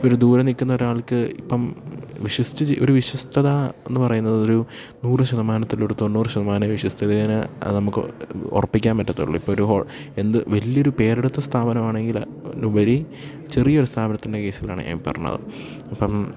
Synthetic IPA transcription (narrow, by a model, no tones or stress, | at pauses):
pːooɾud̪uːɾɐnikːunːɐo̞ɾuaːɭkɨipːɐmʋiɕust̪it͡ɕiʔoɾuʋiɕɐst̪ʰɐðɐenːɨpɐrɐjunːɐðo̞ɾu | nuːrɨɕɐðɐmaːnɐt̪ːilo̞ɾut̪o̞nːuːrɨɕɐðɐmaːnɐʋiɕwɐst̪ʰɐðeɐnɨɐ̰ðɨnɐmukːɨ̰o̰rɐpːikʲːaːnmɐʈːɐt̪ːo̰ɭːṵipːoːoɾuɦo̞̰ːɭe̞nd̪ɨʋɐlːijo̞ɾupe̞ːɾiɽut̪ːɐst̪ʰaːbɐnɐmaːɳeŋɡil | nubɐɾi | t͡ɕerijɐoɾust̪ʰaːbɐnɐt̪ːinde̞keːsila̰ːɳɨ̰a̰ːmpːɐ̰rɐ̰nːɐ̰ðɨ̰ | ɐpːɐm